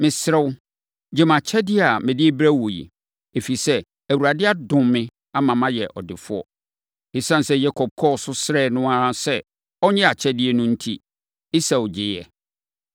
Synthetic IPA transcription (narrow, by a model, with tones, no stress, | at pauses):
mɪ̃˨sɪ˦ɾɛ˦wʊ˦ | d͡ʑɪ˦mã˨t͡ɕʰɛ˦dɪ˦˨a˨mɪ̃˨dɪ˦e˦bɾæ˦˨wo˨jḭ˨ | e˨fi˨i˨sɛ˦ | æ˨wu˨ɾa˨dɪ˦a˦dʊ̃˨mmɪ̃˦ | a˦mã˨mã˦jɛ˨ʔɔ̰˨dɪ˨fʊ˦ɔ̰˨ | ɪ˨sã˦˨n˨sɛ˦jɛ˦kʰɔ˨b̚kʰɔ˦˨sʊ˦sɪ˦ɾɛː˦˨nʊ̃˦a˦sɛ˦ | ɔ˦ɲɛ̃˦a˨t͡ɕʰɛ˦dɪ˦ɛ˦nʊ̃˦n̩˦tʰi˦ | ɪ˦sa˨ʊ˨d͡ʑɪ˨jɛ̰˨